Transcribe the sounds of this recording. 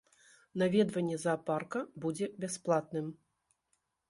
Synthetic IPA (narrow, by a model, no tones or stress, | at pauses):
navʲɛd̪vɐnʲːɛzɐparkɐbud͡zʲɛbʲasplˠat̪̚nɨm